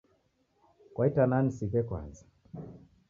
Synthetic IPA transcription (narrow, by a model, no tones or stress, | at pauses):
kwaitananisikɛkwa̰nza